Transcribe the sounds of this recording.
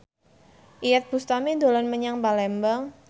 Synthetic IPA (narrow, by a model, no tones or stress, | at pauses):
ʔijat̪̚b̥ust̪amed̪o̤lɔnməɲaŋbalɛmbəŋ